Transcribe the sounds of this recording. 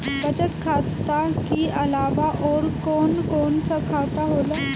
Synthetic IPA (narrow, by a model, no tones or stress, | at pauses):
bət͡ɕət̪kʰat̪akiʔəlaʋaʔɔɾkonkont͡sʰəkʰat̪aɦola